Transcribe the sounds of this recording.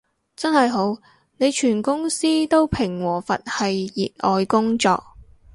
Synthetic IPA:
t͡sɐ˥nhɐ˨jɦo˨˧˥w | ne˨˧jt͡ʃʰyː˨˩nkʊ˥ŋsiː˥t̪o˥wpʰɪ˨˩ŋwɔː˨˩fɐ̰˨t̚hɐ˨jːiː˨t̚ʔɔː˨jkʊ˥ŋt͡sɔ̰ː˧k̚

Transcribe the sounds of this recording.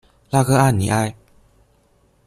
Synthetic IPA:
la˥˧ɣə˦˧ʔa˦˧˨nḭ˨ʔa˦˧j

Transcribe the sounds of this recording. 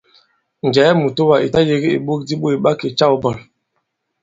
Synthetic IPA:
n˨d͡ʒɛ˨˦mu˨to˦wa˨ʔi˨ta˦je˨ɡi˦ḛ˨ɓo˦k̚di˦ɓo˦e˨ɓa˦ke˨t͡ʃa˦wu˦bɔ˨l

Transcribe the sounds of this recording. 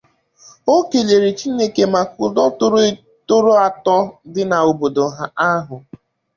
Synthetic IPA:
o˦ke˨le˨ɾi˨t͡ʃi˦ne˦ke˨ma˨kʊ˨dɔ˦tʊ˦ɾʊ˦ | tʊ˦ɾo˦a˨tɔ˦dɪ˦na˨o˨bo˨do˨ɦa˦a˦ɦʊ˨

